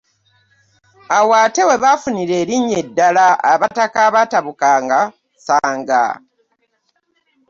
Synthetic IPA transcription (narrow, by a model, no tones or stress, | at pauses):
awaːte̞we̞βafuniɾe̞ːɾiɲːe̞dːalaaβatakaβataβukaːŋɡa | saːŋɡa̰